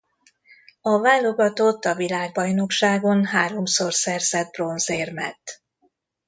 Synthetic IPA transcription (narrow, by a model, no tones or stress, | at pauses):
ɒvaːlːo̞ɡɒt̪o̞t̪ːɒvilaːɡ̚bɒjno̞kʃaːɡo̞nɦaːɾo̞mso̞rsɛrzɛd̪̚bro̞nzeːrmɛ̰t̪ː